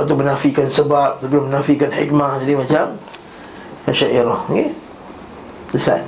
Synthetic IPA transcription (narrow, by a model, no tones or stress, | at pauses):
at̪umənafikansəbap̚t̪udamənafikanħikmad͡ʒadimat͡ʃam | aʃaʔiɾɔhɡe | əsa̰